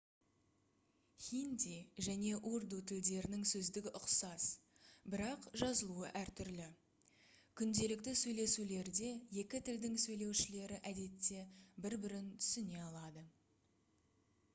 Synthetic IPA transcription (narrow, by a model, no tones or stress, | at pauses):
χʲind̪ʲiʒæne̞ʔuɾd̪ut̪ʰɪld̪e̞ɾɪnɪŋsɵzd̪ɪɡʲɪʔʊqsɑs | bɪɾɑqʒɑzəlˠuə̰ʔæɾt̪ʰʏɾlɪ | kʲʰʏnd̪e̞lɪk̚t̪ɪsɵjle̞sule̞ɾd̪e̞je̞kʲɪt̪ʰɪld̪ɪŋsɵjle̞wʃɪle̞ɾɪʔæd̪e̞t̪ːe̞bɪɾbɪɾɪnt̪ʰʏ̥sɪne̞ɑlˠɑd̪ə